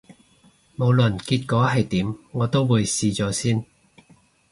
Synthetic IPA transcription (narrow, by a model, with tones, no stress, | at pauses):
mo˨˧wlɵ˨˩nkiː˧t̚kɔː˨˥ɦɐ˨jt̪iː˨˥mŋɔː˨˧t̪o˥wwuː˨˧jsiː˧t͡sɔː˨˥siː˥n